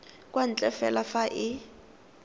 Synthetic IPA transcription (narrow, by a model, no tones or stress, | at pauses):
kʼwan̩t͡ɬʼɛfɛlafaʔɪ